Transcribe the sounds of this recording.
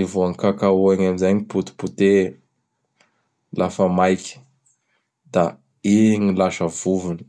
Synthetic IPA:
ivoaŋkakauaɲamizaɲiput̪i̥put̪e | lʔafəmajkʲə̥ | d̪a | iŋilaʃəvuvuni̥

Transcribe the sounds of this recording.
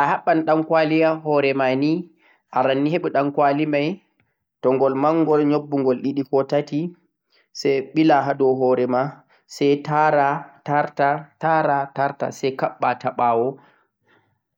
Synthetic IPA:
ʔahaɓːanɗamkwalijaɦɔɾɛmani | ʔaɾanːiheɓuɗankwalimaj | tɔŋɡɔlmaŋːɡɔlɲobːuŋɡɔlɗiɗikɔtati | sajɓilaɦadɔɦɔːɾɛma | sajtaɾataɾtataɾataɾta̰sɛjkaɓːataɓawɔ

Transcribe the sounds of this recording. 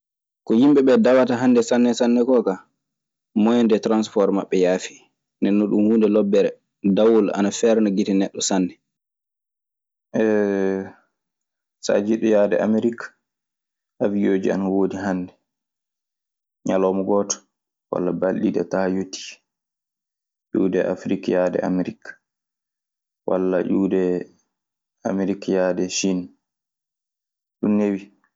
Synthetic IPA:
kɔhimɓɛɓɛdawataɦandɛsanːɛsanːɛkɔka | mɔjandɛtɾanspɔɾmaɓːɛjaːfi̥ | nɛnːɔɗumhuːndɛlɔbːɛɾɛ | dawulʔa̰nafɛɾnaɡitɛnɛɗːɔsanːɛ | ʔɛ | sa̰d͡ʒiɗɛjaːdɛ̰ʔa̰meɾikḁ | ʔavijoːd͡ʒia̰nawoːdiɦandɛ | ɲalɔmɔɡɔtɔ̥ | wa̰lːabalɗidatajotʰi̥ | jṵːdɛʔa̰fɾikajadɛ̰a̰miɾikʰḁ | wʔa̰lːaʔuːdɛ | ameɾikajadɛʃin | ɗunːewi

